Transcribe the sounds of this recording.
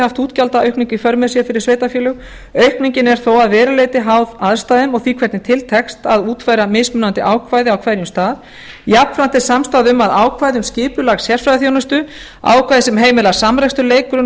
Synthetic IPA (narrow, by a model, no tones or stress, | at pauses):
haft̪uːt̪calt̪aœɥhkniɲcifœɾmɛðsjɛfɪɾɪɾ̥sveːjt̪afjɛːlʏɣ | œɥhkniɲcɪnɛɾ̥θowaðvɛːɾaleːjt̪ɪɦawðaðst̪aːðɪmɔɣθiːkʰvɛɾt̪nɪt̪ʰɪlt̪ʰɛkst̪aðuːt̪fajɾamɪsmʏnant̪ɪʔaːwkʰvajðɪawkʰv̥ajɾjʏmst̪aːð | japnfɾant̪ɪsamst̪aːðʏmaðaːwkʰvajðʏmscɪːpʏlaɣsjɛr̥fɾajðɪθjownʏst̪ʏ | a̰ːwkʰvajðɪsɛmɦeːjmɪlḁsamɾɛjkst̪ʏɾleːjkɾʏ